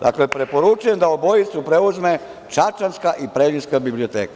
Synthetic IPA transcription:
d̪a̰klepɾe̞po̞ɾut͡ʃujemd̪aobo̞jit̪supɾe̞uzme̞ | t͡ʃat͡ʃanskaʔipɾelinskabiblio̞t̪ḛːkḁ

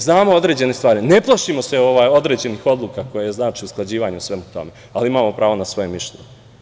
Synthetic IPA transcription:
znaːmoo̞d̪ɾed͡ʑe̞nest̪ʋaːɾine̞plˠaʃimo̞seo̞ʋaːjo̞d̪ɾe̞d͡ʑe̞nixo̞d̪lˠukako̞jajeznaːt͡ʃiusklˠad͡ʑiːʋaːɲuusʋe̞mut̪o̞̰me | aliimaːmo̞pɾaːʋo̞nasʋo̞jemːiʃlʲḛɲ

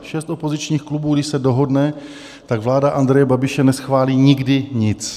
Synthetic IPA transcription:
ʃɛst̪ʔopo̞zɪt͡ʃɲiːxklubuːɡdɪʃsɛdo̞ɦo̞dnɛ | t̪aɡvlaːdaʔand̪ɾɛjɛbabɪʃɛnɛsxvaːliːɲɪɡdɪɲɪt͡s

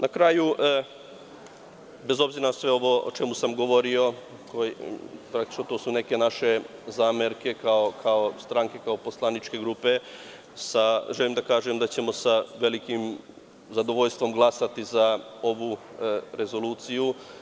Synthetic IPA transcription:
nakɾaːju | be̞zo̞bziɾasʋe̞o̞ʋo̞o̰t͡ʃe̞musamɡo̞ʋo̞ɾio̞ | kopɾak̚t̪i̥t͡ʃnot̪oːsune̞ke̞naʃe̞zaːmeɾke̞kaokʰaost̪ɾaŋke̞kaopo̞slˠanit͡ʃke̞ɡɾupe̞ | saʒelimd̪akaːʒemd̪at͡ɕe̞mo̞saʋe̞likim | zad̪o̞ʋo̞ʎst̪ʋo̞mɡlˠasat̪izao̞ʋuɾe̞zo̞luːt̪siju

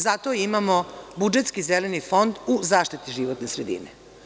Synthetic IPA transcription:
zat̪oimamo̞bud͡ʒet̪skizelenifo̞nd̪uzaːʃt̪it̪iʒiʋot̪nesɾed̪ḭnḛ

